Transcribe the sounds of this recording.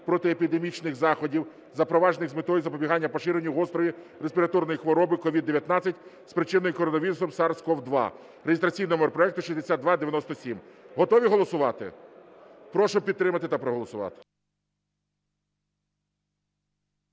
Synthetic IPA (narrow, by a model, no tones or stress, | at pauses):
pɾɔt̪ɪepʲid̪emʲit͡ʃnɪxzɑxɔdʲiw | zɐpɾɔʋɑʒnɪɣzmɪt̪ɔjuzɐpɔbʲiɦɑnʲːɐpɔʃɪɾenʲiɔst̪ɾɔʋʲi | ɾespʲiɾɐt̪ɔrnɔjixʋɔɾɔbɪkɔʋʲid̪ːeʋʲjɐt̪nɑt͡sʲːɐtʲspɾɪt͡ʃɪnɔjikɔɾɔnɔʋʲiɾʊsɔmsɑrskɔwd̪ʋɑ̰ | ɾejest̪ɾɐt͡sʲijnɔɦmerpɾɔɛk̚t̪ʊʃizd̪esʲatd̪d̪ʋɑd̪eʋjɐnɔst̪ɔsʲimɦɔt̪ɔʋʲiɦɔlˠɔsʊʋɑt̪ɪ̰ | pɾɔʃʊpʲid̪t̪ːɾɪmɐt̪ɪt̪ɐpɾɔɦɔlˠɔsʊʋɑ̰t̪ɪ̥